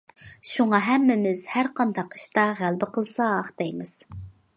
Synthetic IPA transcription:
ʃuŋɑɦɛmːɪmɪz̥hæɾqʰɑnd̪ɑqi̥ʃt̪ɑʁælbɪqəlˠsɑːχd̪ɛjmɪz̥

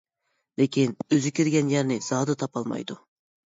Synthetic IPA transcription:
lekʲʰinøzykʲiɾɡʲɛnjæɾnɪz̥ɑːd̪ɨt̪ʰɑpɑlˠmɑ̰jd̪u

